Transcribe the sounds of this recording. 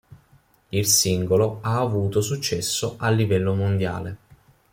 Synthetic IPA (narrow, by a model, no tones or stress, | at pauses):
ilsiŋɡoloaːvuːt̪osut͡ʃːɛsːoʔalːivɛlːomond̪ja̰ːle